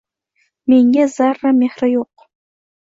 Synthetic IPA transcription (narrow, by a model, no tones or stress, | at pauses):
meŋɡʲɛzarːɐmeːχrɐjoq̚